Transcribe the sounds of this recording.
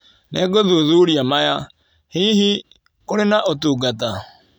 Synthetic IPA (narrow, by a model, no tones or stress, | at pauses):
nɛɡɔðoðoɾiamaja | hiɦi | kʊɾɪnaʔotoɡata